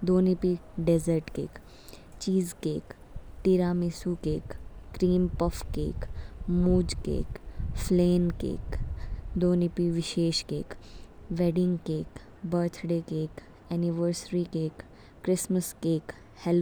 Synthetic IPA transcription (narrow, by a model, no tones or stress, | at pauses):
d̪oːnipiɖezəɾʈkḛːk | t͡ʃiːzkeːk | ʈiɾaːmisukeːkːɾiːmpəfkḛːkmuːd͡ʒkḛːkfʰleːnkḛːkd̪oːnipiʋɪʃeːʃkḛːkʋeɖɪ̃ŋɡkeːk | bəɾt̪ʰɖeːkeːk | ɛniʋəɾsɾikeːkː | ɾɪsməskeːk | hɛl